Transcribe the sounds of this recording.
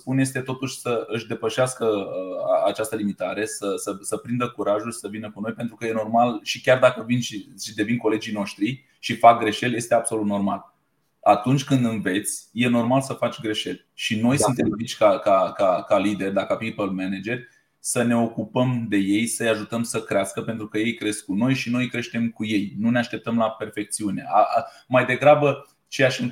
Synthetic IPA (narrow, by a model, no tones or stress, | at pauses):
spunje̞st̪e̞t̪o̞t̪uʃʲsəʔɨʃd̪e̞pəʃeaskəəa̰t͡ʃast̪əlimit̪aɾe̞səsəsəpɾind̪əkuɾaʒulʲsəvinəkuno̞jpe̞nt̪ɾukəje̞no̞rmalʃikʲard̪akəvinʃiʃid̪e̞vinko̞le̞d͡ʒijno̞ʃt̪ɾi | ʃifak̚ɡɾe̞ʃe̞lje̞st̪e̞abso̞lut̪no̞rma̰l | at̪unt͡ʃʲkɨnd̪ɨnve̞t̪sʲje̞no̞rmalsəfat͡ʃʲɡɾe̞ʃe̞l | ʃino̞jsunt̪emvit͡ʃʲkakakakalid̪e̞rʲd̪akapipəlmened͡ʒe̞rʲ | səne̞o̞kupəmd̪e̞je̞jsəjaʒut̪əmsəkɾʲeaskəpe̞nt̪ɾukəje̞jkɾe̞sk̚kuno̞jʃino̞jkɾe̞ʃt̪e̞mkuje̞jnuneaʃt̪e̞p̚t̪əmlape̞rfe̞k̚t̪siune̞a̰majd̪e̞ɡɾabə | t͡ʃe̞jaʃɨŋ